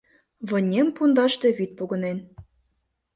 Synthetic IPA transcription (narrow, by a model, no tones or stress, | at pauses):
βɤ̆nʲempund̪ɑʃt̪ĕβit̪̚puɣɤ̆nen